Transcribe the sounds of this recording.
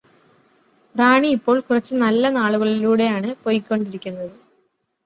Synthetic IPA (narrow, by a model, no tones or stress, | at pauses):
raːɳiːpːo̞ːɭkurɐt͡ɕːɨnɐlːɐnaːɭuɣɐɭiluːɽe̞jaːɳɨpo̞ːjikʲːo̞ɳɖiɾikʲːunːɐðɨ